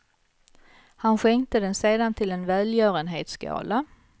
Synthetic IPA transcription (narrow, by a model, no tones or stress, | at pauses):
hanɧɛŋt̪əd̪ɛnseːd̪ant̪ʰɪlɛnvæːljœːɾənɦḛːt̪skɑ̰ːla